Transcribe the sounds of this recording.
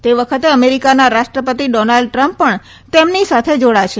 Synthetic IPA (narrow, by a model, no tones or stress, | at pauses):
t̪eʋəkʰət̪eəmeɾikanaɾaʃʈɾəpət̪iɖɔnalɖ̚ʈɾə̃mpːəɳ | t̪emnisat̪ʰed͡ʒoɽaʃʰe